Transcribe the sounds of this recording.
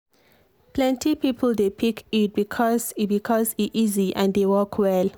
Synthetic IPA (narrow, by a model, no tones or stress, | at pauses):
plɛ̃ntʰipiːpʰəldepʰikʰit̚bikʰɔzbikʰɔziʔiziʔɛ̰̃ndewɔkʰwɛl